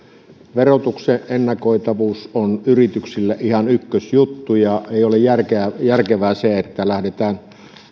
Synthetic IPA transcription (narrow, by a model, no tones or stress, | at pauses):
ʋerot̪ukseʔʔenːɑkoˑit̪ɑʋuːsonyrit̪yksilːæʔihɑnykːøsjut̪ːujɑeˑijolejærkejærkeʋæseet̪ːælæhdet̪æːn